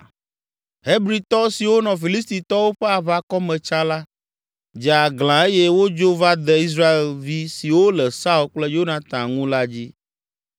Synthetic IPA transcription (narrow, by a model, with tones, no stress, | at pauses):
ɦe˦bɾi˨˦t̪ɔ˦si˨wo˦nɔ̃˨fi˨li˦st̪i˨t̪ɔ˦wo˦ɸɛ˦a˨βa˦kɔ˦mɛ̃˨t͡ʃa˦la˦ | d͡ʒɛ˨a˨ɡlã˨e˦jɛ˦wo˦d͡ʒo˦va˦d̪ɛ˨i˦s̬ɾa˦e˨lvi˦si˨wo˦lɛ˨sa˦u˦k͡plɛ˦jo˦nã˨t̪ã˨ŋũ˦la˦d͡ʑi˦